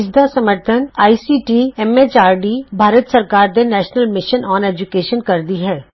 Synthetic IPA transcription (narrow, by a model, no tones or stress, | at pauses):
ɪd͡ʒd̪asɐməɾt̪ʰənaːisiʈiɛmet͡ʃaːɾɖibʱaːɾət̪səɾkaːɾd̪enɛːʃnəlmɪʃənɔːneːd͡ʒʊkeːʃənkɐɾd̪iɦɛː